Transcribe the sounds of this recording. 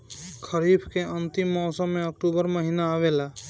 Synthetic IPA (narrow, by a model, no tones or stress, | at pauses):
kʰəɾibʰʱkeənt̪imːɔːsə̃mːẽəkʈubəɾməɦiːnaːʋela